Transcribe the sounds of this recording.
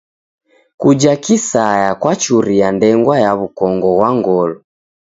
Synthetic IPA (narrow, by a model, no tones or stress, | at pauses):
kud͡ʒakisajakwat͡ʃuɾijandɛŋɡwajaβukɔŋɡɔɣwaŋɡɔlɔ